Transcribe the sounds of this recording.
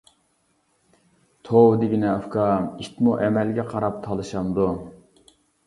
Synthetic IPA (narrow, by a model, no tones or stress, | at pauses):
t̪ʰowd̪ɪɡʲinɛɑfkɑit̪muʔɛmɛlɡʲɛqʰɑɾɑp̚t̪ʰɑlˠɨʃɑnd̪u